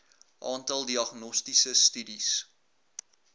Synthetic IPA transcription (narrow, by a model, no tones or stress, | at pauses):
ʔɑːntɐlˠdiɐχnɔstisəstydis